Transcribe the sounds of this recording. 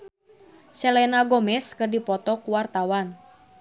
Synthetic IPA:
sɛlɛnaɡɔmɛskɨrdipɔt̪ɔkuwart̪awan

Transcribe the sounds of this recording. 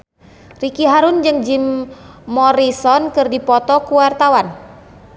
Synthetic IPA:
rikiɦaɾund͡ʒɨŋd͡ʒimː | ɔɾisɔnkɨrdipɔt̪ɔkuwart̪awan

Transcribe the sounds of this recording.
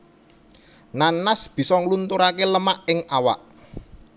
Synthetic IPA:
nanːasb̥i̤sɔŋlunt̪uɾakeləmaʔɪŋawa̰ʔ

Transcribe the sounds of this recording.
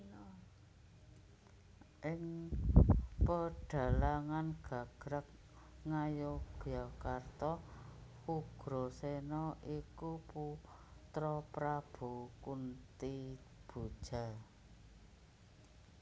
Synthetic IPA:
ʔɪŋ | pəɖ̥a̤laŋanɡ̥a̤ɡ̥ɾək̚ | ŋajoɡ̥ɔkart̪ɔhuɡ̥ɾosenɔʔikuput̪ɾɔpɾab̥ukunt̪i | b̥ud̥ʒ̥a

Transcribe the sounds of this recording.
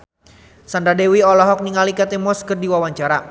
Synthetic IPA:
sand̪ɾadɛwiɔlɔɦɔk̚niŋalikat̪ɛmɔskərdiwawaɲt͡ʃaɾa

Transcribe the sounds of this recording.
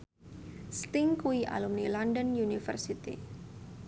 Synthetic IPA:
st̪ɪŋkuiʔa̰lumnilandənjunifə̰rsit̪ḭ

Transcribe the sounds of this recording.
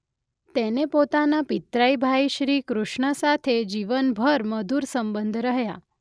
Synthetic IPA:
t̪enepot̪anapit̪ɾajbʱaiʃɾikɾuʃɳəsat̪ʰed͡ʒiʋənbʱəɾməd̪uɾsəmbənd̪ʱɾəɦja̰

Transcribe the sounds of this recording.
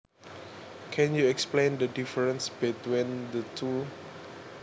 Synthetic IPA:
kʰɛ̃njuɛksplẽndədifəɹə̃nsbɛtwĩndətʰu

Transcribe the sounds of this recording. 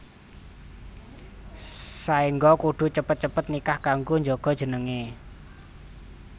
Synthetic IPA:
saiŋɡɔkuɖ̥ṳt͡ʃəpət̪̚t͡ʃəpət̪̚nikahkaŋɡuɲd͡ʒɔɡ̥ɔ̤̥ʒ̥ə̤nəŋe

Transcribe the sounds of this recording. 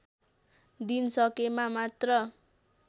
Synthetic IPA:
d̪insʌkemamat̪rʌ

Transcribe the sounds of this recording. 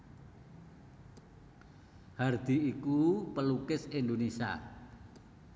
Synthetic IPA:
hard̪̥i̤ikupəlukɪsind̪onesia̰

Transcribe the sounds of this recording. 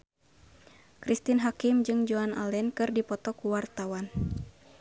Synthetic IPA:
kɾist̪inɦakimd͡ʒɨŋd͡ʒɔana̰lɛnkɨrdipɔt̪ɔkuwart̪awan

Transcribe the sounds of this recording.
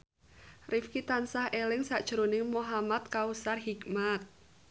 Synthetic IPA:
rifkit̪ansahelɪŋsaʔd̥ʒ̥əɾonɪŋmoɦamat̪̚kausarɦikmat̪̚

